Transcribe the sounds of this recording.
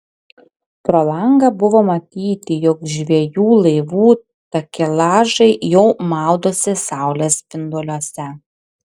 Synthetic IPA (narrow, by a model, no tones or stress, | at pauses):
pɾɔlˠɐŋɡɐbʊʋoːmɐt̪ʲiːt̪ʲɪjɔkʒʲʋʲiɛjuːlˠɐɪʋuː | t̪ɐkʲɪlˠɑːʒɐɪjɛʊmɑˑʊd̪oːsʲɪsɑˑʊlʲɛspʲɪnd̪olʲoɔsʲɛ